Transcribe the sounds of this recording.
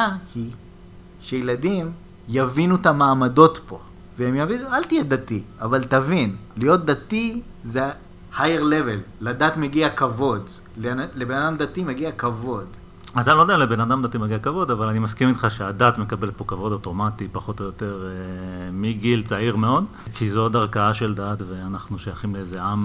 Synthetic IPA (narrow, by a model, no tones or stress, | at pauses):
ahi | ʃejeladim | javinut̪amaːmado̞t̪po̞ | veemjavinualt̪ijed̪atiavaltavinlijo̞t̪̚d̪at̪i | ze | hajeʁlevelːadat̪meɡiakavo̞d | lenlebe̞nad̪amd̪atimeɡiakavo̞d̪ | azalod̪eealebe̞nad̪amd̪at̪imeɡiakavo̞davalanimaskimit̪χaʃeadat̪me̞kabe̞let̪̚po̞kavo̞doto̞matipaχo̞t̪ojote̞ʁemiɡilt͡saiʁme̞o̞d̪ | kʰizo̞daʁkaaʃeldatveanaχnuʃojaχimleezeʔam